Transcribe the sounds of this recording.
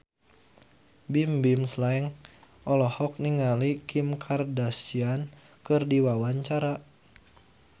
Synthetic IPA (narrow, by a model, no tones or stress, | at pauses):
bimbimslaɛŋ | ʔɔlɔhɔk̚niŋalikʰimkʰardasian | kɨrdiwawaɲt͡ʃaɾa